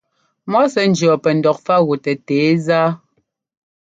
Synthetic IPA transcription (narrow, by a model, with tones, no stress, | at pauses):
mɔ˦sɛ˦n̩˦d͡ʒɰɔ˨pɛ˨n̩˨dɔ˨k̚fa˦ɣu˨tɛ˨teː˨˦zaː˦